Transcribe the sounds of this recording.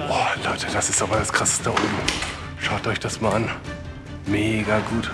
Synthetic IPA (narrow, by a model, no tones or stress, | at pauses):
ʔoːlɔʏtʰəd̥asɪstʔaːbɐdaskʁ̥asə̥stəʊ | ʃaʊtɔʏçd̥asmaːlʔan | meːɡaɡuːt